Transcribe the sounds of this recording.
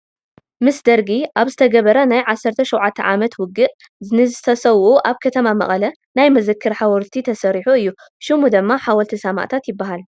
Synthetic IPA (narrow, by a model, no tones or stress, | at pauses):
mɨsd̪ɐɾɡiʔaβzɨt̪ʰɐɡɐβɐɾɐnajʕasːɐɾt̪ʰɐʃowʕat̪ʰːɐʕamɐt̪wʊɡɨʔ | zɨnɨzɨt̪ʰɐsɐwʔuʔaβkʰɐt̪ʰɐmamɐ̰χʼɐlɐ | najmɐzɨkʰːɨɾħawɔɾt̪ʰit̪ʰɐsɐɾiħuɨjːu | ʃɨmud̪ɨmːaħawɐlt̪ʰisɐma̰ʔt̪ʰat̪jɪbːaɦal